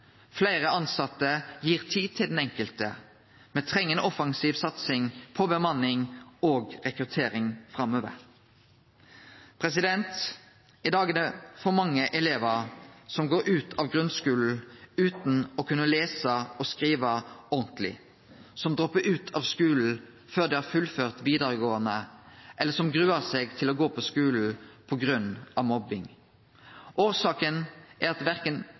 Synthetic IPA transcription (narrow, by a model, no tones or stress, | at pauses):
flæɪʁəɑnsɑt̪ːəjiːʁt̪ʰiːt̪ʰɪld̪ɛnɛŋkəlt̪ə | mɛt̪ʰʁɛŋːənəʔɔfɑŋsiːʋsɑt̪sɪŋpʰɔbəmɑnːɪŋoːɡʁɛkʁʉt̪ʰeːʁɪŋfʁɑmːøːʋə̰ʁ | pʰʁɛsɪd̪ɛnt̪ | ɪd̪ɑːɡənəfɔmɑŋːəʔɛleːʋəʁsɔmɡoːɾʉːt̪ʰɑʋɡʁʉnskʉːln̩ʉːt̪n̩ɔkʰʉnːəleːsəɔskʁiːʋəɔʁnt̪lɪ̰ | sɔmd̪ʁɔpːəʉːt̪ʰɑːʋskʉːln̩ | føːʁd̪ɛhɑːɾfʉlføːʁt̪ʋiːd̪əʁəɡoːənəʔɛlːəsɔmɡʁʉːəʁseːɡt̪ʰɪlɔɡoːpʰɔskʉːl̩pʰɔɡʁʉnɑʋmɔbɪŋ | ʔoːʁsɑːkənʔæʁɑt̪ʋæʁkən